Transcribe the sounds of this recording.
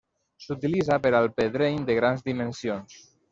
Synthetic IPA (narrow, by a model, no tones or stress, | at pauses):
sut̪ilizapeɾalˠpeðɾeɲd̪əɣɾanzd̪imensions